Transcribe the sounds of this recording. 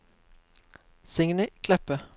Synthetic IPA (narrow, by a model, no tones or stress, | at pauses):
sɪŋnɪkʰlɛpə